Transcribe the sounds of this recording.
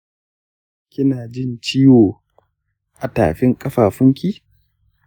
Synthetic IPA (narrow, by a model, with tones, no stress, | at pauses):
kʲɪ˦naː˨d͡ʒɪ˦˨nt͡ʃiː˦woː˨ | ʔa˨ta̰ː˨ɸɪ˦ŋkʼɐ˦ɸaː˨ɸʊ˦ŋkʲi˦